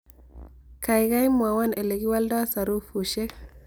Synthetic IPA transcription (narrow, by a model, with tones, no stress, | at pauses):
ka˨jɡa˦jmwa˨wa˦ne˨le˨ɡi˦wa˦lda˦sa˨ɾu˦fu˨ʃe˦k